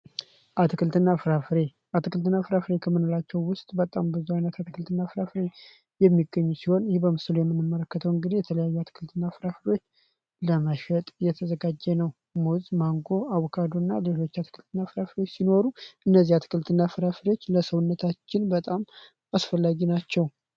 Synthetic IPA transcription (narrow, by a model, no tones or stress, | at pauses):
ʔat̪ɨkʰɨlt̪ɨnːafɾafɾe | at̪ʰɨkʰɨlt̪ɨnːafɨɾafɨɾekʰəmːɨnolat͡ʃːɛwwʊst̪ʼbət̪ʼambɨzuajnət̪at̪ʰɨkʰɨlt̪ʰɨnːafɨɾafɾe̞ | jɛmːiɡəɲːusiho̞njɪhebəmɨslujɛmːɨnːɨmːələkːət̪ʰəwɨŋɡɨd̪ijɛt̪ʰələjajːuat̪ʰɨ̥kʰɨlt̪ʰɨnːafɨɾafɨɾewo̞t͡ʃː | ləməʃət̪ʼjɛt̪ʰəzəɡad͡ʒːɛnəw | muzmaŋɡo̞ʔawkʰad̪onːaleho̞t͡ʃːat̪ʰɨ̥kʰɨlt̪ʰɨnːafɨɾafɾot͡ʃːsino̞ɾuʔɨnːəzːihat̪ʰɨ̥kʰɨlt̪ʰɨnːafɨɾafɨɾewo̞t͡ʃːləsəwʊnːət̪ʰat͡ʃːɪnbət̪ʼam | asfəlːaɡinat͡ʃːɛw